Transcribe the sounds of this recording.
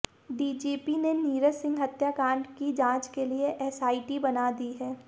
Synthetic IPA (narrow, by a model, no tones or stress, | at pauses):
ɖiːd͡ʒiːpineniːɾəsɪ̃ŋɡɦɐt̪jakãːɳɖkid͡ʒãːt͡ʃkelieʔɛːsaːiʈibɐnad̪iɦɛː